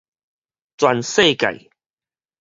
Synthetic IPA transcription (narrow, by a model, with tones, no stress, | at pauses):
t͡swa˨nse˥˧˨ka̰˨˩j